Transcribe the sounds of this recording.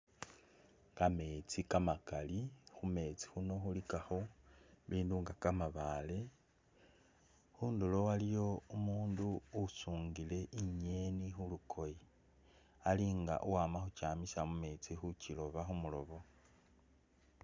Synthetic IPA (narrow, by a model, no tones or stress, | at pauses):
kame̞t͡sikamakalixume̞t͡si̥xuno̞xulikaxoβiːnduŋɡakamaβale̞ | xuːndulo̞walijo̞umuːnduːsuːŋɡile̞ʔiɲe̞nixulukʰo̞ji | aliŋɡa̰ʔuwaːmaxut͡ʃaːmisamume̞t͡sixucilo̞βaxumulo̞βo̞